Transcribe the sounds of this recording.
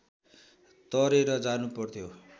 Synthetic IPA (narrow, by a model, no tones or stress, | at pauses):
t̪ʌɾeɾʌd͡zanupʌrt̪ʰjo